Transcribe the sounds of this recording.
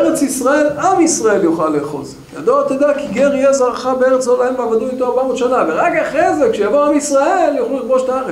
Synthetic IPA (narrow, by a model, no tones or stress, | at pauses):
ʁet͡sisʁae̞lamisʁae̞ljoχalːeːχo̞̰z | ja̰d̪oat̪ed̪akiɡeʁijezaʁχabeeʁet͡slolahemaːvad̪uit̪oaʁbamo̞t̪ʃanaveʁakaχezekʃejavoamisʁae̞ljoχlulilbo̞ʃtaaʁe